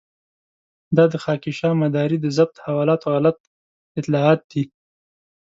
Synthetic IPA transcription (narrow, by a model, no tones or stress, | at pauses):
d̪ɑd̪əxɑkiʃɑmad̪ɑɾid̪əzab̚t̪hawɑlɑt̪oɣalat̪̚ | ɪt̪lɑɑt̪̚d̪̥i